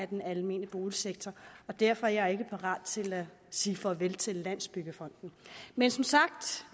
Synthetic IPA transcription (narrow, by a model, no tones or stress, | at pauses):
æɐd̥enælme̝̰ːnəb̥o̝ːliseɡ̥̚t͡sʰɒɒ̽d̥æɐ̰fɒ̽æɐjɑe̝ɡ̥əpʰɑ̈ʁɑ̰̈ːd̥t͡sʰe̝læ | siːfɒʋelt͡sʰe̝lːæn̰sb̥yɡ̥əfɒ̽n̰d̥n̩mensɒ̽msɑ̈ɡ̥d̥